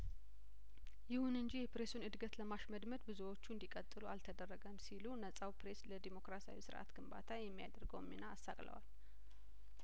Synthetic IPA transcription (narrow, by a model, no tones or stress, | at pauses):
jɪhunɨɲd͡ʒijɛpɾe̞sunɨd̪ɡət̪ləmaʃməd̪məd̪bɨzuwo̞t͡ʃːund̪ikʼət̪ʼːɨlualt̪ʰəd̪ərːəɡəmsilunəsʼawpʰɾe̞sləd̪emo̞kɾasa̰wisɨɾʔa̰t̪ɡ̥ɨmba̰t̪ʰajɛmːija̰d̪əɾɡəwmːinaːsːakʼlə̰wa̰l